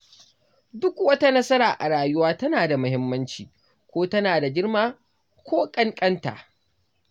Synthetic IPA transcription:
dʊ˦kwɐ˦ta˦nɐ˦sɐ˦ɾaː˨ʔa˨ɽaː˨jʊ˦waː˦tɐ˦naː˨da˨mʊ˨hɪ˦mːɐ˦nt͡ʃiː˨ | kʷoː˦tɐ˦naː˨da˨ɡʲɪ˦ɾmaː˦ | kʷoː˦kʼɐ˦ŋkʼɐ˦nta̰˨ʔ

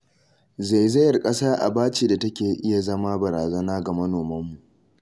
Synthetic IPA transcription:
za˨jzɐ˦jɐ˨rkʼɐ˦saː˦ʔa̰˨baː˦t͡ʃiː˦˨da˨tɐ˦kʲeː˨ʔɪ˦ja˨zɐ˦maː˦bɐ˨ɾaː˨zɐ˦naː˦ɡa˨mɐ˦noː˨mɐ˦mːu˨ʔ

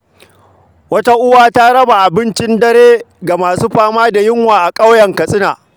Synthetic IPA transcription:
wɐ˦ta˦ʔʊ˦waː˦ta˦ɽɐ˦ba˨ʔa˨bɪ˦nt͡ʃɪ˦ndɐ˦ɾeː˦ɡa˨maː˨suː˦ɸaː˦maː˦da˨jɪ˦ŋwaː˨ʔa˨kʼa˦wjɐ˨ŋkɐ˨sʼɪ˦na̰ː˨

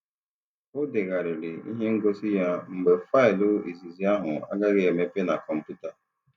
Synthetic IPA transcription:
o˦dɪ˨ɣa˨ɾɪ˨ɾɪ˨ḭ˦ɦe˦ŋ̩˦ɡo˦si˦ja˦ŋ͡m̩˨ɡ͡be˨fa˦ɪ˨lʊ˦i˨zi˨zi˨˦a˦ɦʊ˨a̰˦ɡa˦ɣɪ˦e˨me˦pe˦na˨kɔ˨m̩˨pu˦ta˨

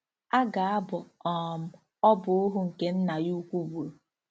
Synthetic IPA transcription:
a˦ɡa˨a˦bʊ˨ɔ˨m̩˦ | ɔ˦bʊ˨ʊ˦ɦʊ˦ŋ̩˨ke˦n̩˦na˨ju˦kʷu˦bu˨ɾ

